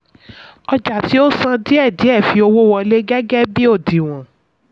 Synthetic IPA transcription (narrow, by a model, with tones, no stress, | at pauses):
ɔ˧d͡ʒa˨ti˨˦o˦sã˧di˦ɛ˦˨di˨˦ɛ˦˨fi˨˧o˧wo˦wɔ̃˧le˦ɡɛ˦ɡɛ˦bi˦o˦˨di˨w̃ɔ̃˨